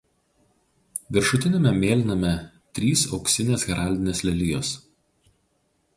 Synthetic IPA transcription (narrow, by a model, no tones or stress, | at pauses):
ʋʲɪɾʃʊt̪ʲɪnʲemʲɛmʲeːlʲɪnɐmʲɛ | t̪ʲɾʲiːsɒʊksʲɪnʲeːsɣʲɾʔɑˑlʲd̪ʲɪnʲeːslʲɛlʲiːjoːs